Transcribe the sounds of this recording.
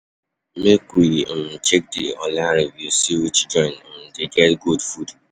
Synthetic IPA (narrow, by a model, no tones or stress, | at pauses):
mekim̩t͡ʃek̚dɪ̰ɔlaɾevjusiwit͡ʃd͡ʒɔɪ̃nm̩deɡɛtɡudfud